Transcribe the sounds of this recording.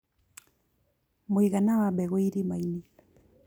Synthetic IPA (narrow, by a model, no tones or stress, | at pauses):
mwiɣanawaɓɛɣwiɾimaini